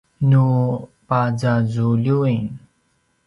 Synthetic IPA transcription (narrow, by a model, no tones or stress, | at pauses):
nupazazuʎuin